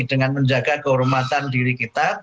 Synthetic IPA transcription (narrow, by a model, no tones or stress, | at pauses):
d̥əŋanməɲd͡ʒaɡakəɦuɾumat̪andiɾikit̪a